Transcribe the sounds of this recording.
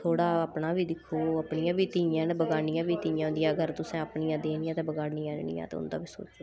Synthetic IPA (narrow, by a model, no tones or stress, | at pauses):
t̪ʰoːɽaːəpnaːbiːd̪ɪkʰːoːəpnɪjãːbiːt̪iːjãːnbəɡaːnɪjãːbiːt̪iːjãːnd̪ɪjaːɡəɾt̪ʊsɛ̃ːəpnɪjãːd̪eːnɪjãːt̪eːbəɡaːɽnɪːɛ̃ːnnɪ̰jã̰ːt̪ḛʊ̰nd̪ã̰ːbiːso̰ːt͡ʃː